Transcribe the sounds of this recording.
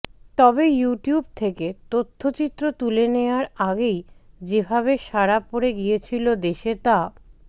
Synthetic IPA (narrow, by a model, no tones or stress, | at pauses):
t̪ɔbejuʈijub̚t̪ʰeket̪ot̪ʰːot͡ɕit̪ːɾot̪uleneoaɾaɡej | d͡ʑebʱaβeʃaɾapoɾeɡijet͡ɕʰilod̪eʃet̪a